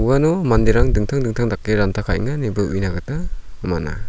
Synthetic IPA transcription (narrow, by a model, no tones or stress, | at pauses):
uwanɔmandiɾaŋdɯŋtʰaŋdɯŋtʰaŋdak̚leɾantʰakʰa̰jŋanibɯʔujnaɡɯtamana̰